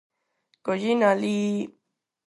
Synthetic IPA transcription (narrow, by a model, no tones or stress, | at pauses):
kojinali